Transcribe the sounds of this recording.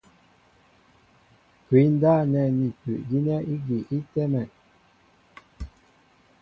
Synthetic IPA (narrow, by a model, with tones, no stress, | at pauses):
ki˨˦n̩˦da˦˨nɛ˨ni˨pʉ̰˨ʔɡi˦nɛ˦i˦ɡi˨ʔi˦tɛ˦mɛ˨